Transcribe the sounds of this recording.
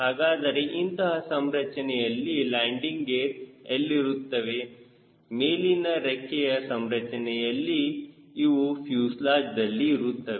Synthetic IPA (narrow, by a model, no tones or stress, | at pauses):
ɦaːɡaːd̪ɐɾeʔint̪ɐɦɐsɐmɾɐt͡ʃɐnɛjɐlːilaːɳɖiŋɡɡeɾɐlːiɾut̪ːɐʋe | meːlinɐɾɐkʰːɛjɐsɐmɾɐt͡ʃɐnɛjɐlːiː | ʋupʰjuːslaːd͡ʒd̪ɐlːiːɾut̪ːɐʋe